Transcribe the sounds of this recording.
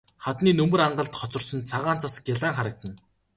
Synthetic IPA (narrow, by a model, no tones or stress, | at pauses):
χat̪niːnɵmɵ̆ɾaɴɢə̆ɮt̪χɔt͡sɞ̆rsɞ̆nt͡sʰaʁaːn̥t͡sʰasə̥̆kjaɮaːŋχaɾə̆k̚t̪ə̆n